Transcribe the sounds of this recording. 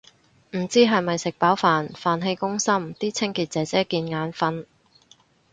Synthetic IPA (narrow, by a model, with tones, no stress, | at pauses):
m̩˨˩t͡siː˥ɦɐ˨jmɐ˨jsɪ˨k̚paː˨˥wfaː˨nfaː˨nɦe˧jkʊ˥ŋsɐ˥mt̪iː˥t͡sʰɪ˥ŋkiː˧t̚t͡sɛː˨˥t͡sɛː˥kiː˧nŋaː˨˧nfɐ˧˥n